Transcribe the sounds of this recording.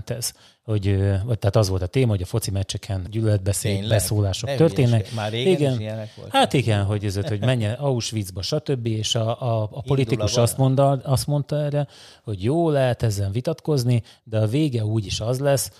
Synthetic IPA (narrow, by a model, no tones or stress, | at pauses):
nt̪ɛz̥ | ho̞ɟøvɒɟ̚t̪ɛːt̪ɒzʋo̞lt̪ɒt̪eːmɒɦoɟɒfo̞t̪simɛt͡ʃːɛkʰɛnɟylølɛd̪̚bɛseːbɛsoːlaːʃokt̪ørt̪eːnːɛkiɡɛn | haːt̪iɡɛnɦo̞ɟøzøt̪ho̞ɟmɛɲːɛʔɒuʃʋid̪zbɒʃɒt̪øbːieːʃɒʔːpo̞lit̪ikuʃɒst̪oɒst̪mo̞nt̪ɒɛːrːɛ | ho̞ɟjoːlːɛɦɛt̪ɛzːɛnvit̪ɒt̪ko̞zni | d̪ɛɒveːɡɛuːɟiʃɒzlɛs